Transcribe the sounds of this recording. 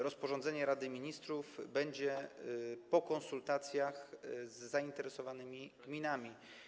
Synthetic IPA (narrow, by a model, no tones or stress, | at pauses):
ɾɔspɔʐɔnd̪zɛɲɛɾad̪ɘmʲiɲist̪ɾuvbɛɲd͡ʑɛ | pɔkɔnsult̪at̪sʲjaxzːaint̪ɛɾɛsɔvanɘmʲiɡmʲinamʲi